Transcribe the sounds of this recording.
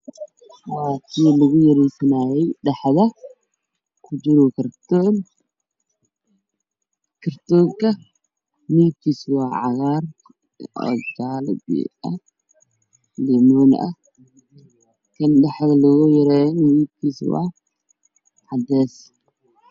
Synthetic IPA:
waːkʰilɐɣʊjɐɾɛjsɐnaːjɛjɗɐħðɐ | kʰʊd͡ʒɪɾɔkʰɐɾt̪ɔːn | kʰɐɾt̪ɔːŋkɐ | miːkiswaːʕɑɣaɾ | ɔ̰kaːlbḭɐ | limɔn̰ʔɐ | kʰɐnɗɐħðɐlɐɣɔjɐɾɛnmiːb̚kiswa̰ː | ʕad̪ɛːs

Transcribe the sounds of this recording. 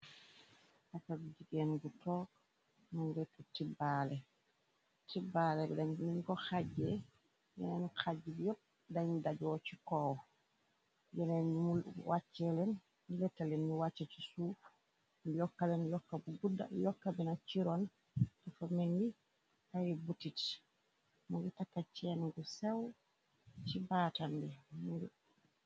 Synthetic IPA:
hakabud͡ʒiɡɛnɡutɔːk | naŋɡɛtːutibalɛ | tibalɛbɛ̰daɲminkɔxad͡ʒɛ | jɔ̰nɛnxad͡ʒːibijɔ | daɲdad͡ʒɔt͡ʃikɔwɔ | d͡ʒɔnɛimulwʔat͡ʃːɛlɛn | ilɛtːalɛnːuwat͡ʃːɛt͡ʃi̥suːf | jɔkːalɛnjɔkːabuɡuda̰jɔkːabinat͡ʃiɾɔn | tafameŋɡi | tajibutːit | muŋɡutakːat͡ʃːɛnɡusɛw | t͡ʃibaːtambimuɡu

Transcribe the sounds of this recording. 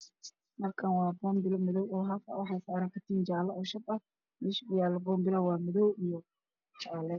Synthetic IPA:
mɐrkʰɐnwɑːbɔːmbɪlɔmɪðɔwɔːɦɐfɐ̰wɑħɑjsaːɾaːŋkʰɐt̪ʰiːnt͡ʃaːlɐʔɔːʃɐbɐ | mɪʃbʊjaːlɐbɔːmbɪlɐwɑːmɪðɔwijɔ | t͡ʃaːlɛ

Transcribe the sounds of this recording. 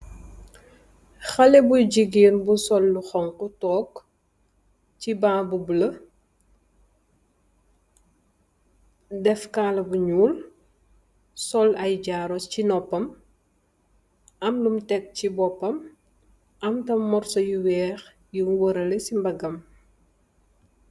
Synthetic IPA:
xɐlɛbuɟiɡiːnbusɔlːuxɔŋkutɔːk | cibãːbubulɐ | dɛfkaːlɐbuɲuːl | sɔlɐjɟaːɾɔscinɔpːɐm | ɐmdumtɛk̚cibɔpːɐm | ɐmtɐmːɔrsɐjuwɛːx | jumwəɾɐlɛsimbɐɡɐm

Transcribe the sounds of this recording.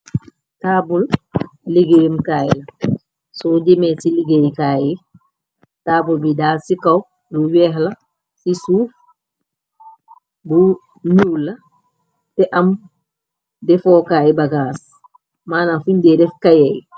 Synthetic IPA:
taːbulliɡejumkaːjila | sɔd͡ʒimɛsiliɡejkaːji | taːbulbidaːsikaw | duwɛɦla | sisuːf | bu | ɲula | tɛʔɐm | dɛfɔːkaːjibaɡaːs | maːnafuɲdɛdɛfkajɛj

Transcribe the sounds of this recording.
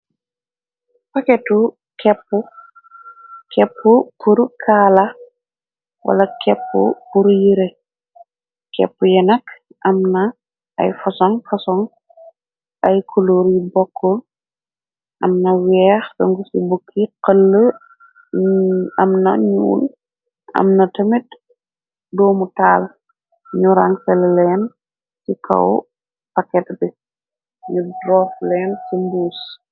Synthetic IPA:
pɐkɛtu | kɛpːu | kɛpːupuɾkʰaːlɐ | wʔɐ̰lɐkʰɛpːṵpuɾjiɾe | kɛ̰pːujɛnɐk | ʔɐmnɐ | ʔɐ̰jfɔsɔŋfɔsɔŋ | ɐjkʰoloɾjibɔkʰːɔl | ʔɐ̰mnɐwɛːxsɐŋɡusibukʰːiqəlːə | ɐmnɐ̰ɲṵːl | ɐ̰mnɐtɐmit | dɔːmutaːl | ɲuɾɐŋsɛllɛːn | sikʰɐ̰w | pɐkɛtbi | ɲudrɔːflɛːnsimbuːs

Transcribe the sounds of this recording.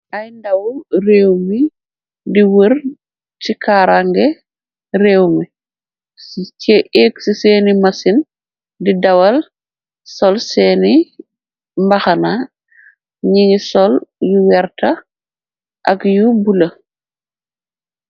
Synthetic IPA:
ʔajndɐwreːwmi | diwəɾ | t͡ʃikaːɾaŋɡɛ | ɾeːwmi | eɛksiseːnimasin | didɐwɐl | sɔlsɛːni | mbaxana | ɲiɲisɔljuwɛɾtɐ | ʔakjubulə

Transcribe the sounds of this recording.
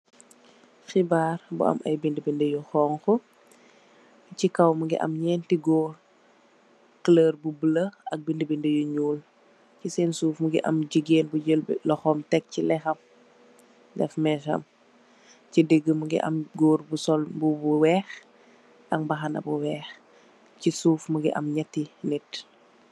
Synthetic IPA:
xibaːɾbṵɐ̰mʔɐ̰jbindəbindəjuxɔːŋxɔ | cikɐwmuŋɡḭʔɐ̰mɲɛːntiɡɔːr | kləːrbubələʔɐk̚bindəbindəjuɲuːl | cisɛːnsuːfmuɡḭʔɐ̰mɟiɡeːnbuɟəlblɔxɔmtɛk̚cilɛxɐm | dɛfmɛːʃɐ̰m | cideɡːəmuɡḭʔɐ̰mɡɔːɾbusɔlbubuwɛːx | ʔɐŋbɐxɐnɐ̰buwɛːx | cisuːfmuɡiʔɐ̰mɲɛtːinit

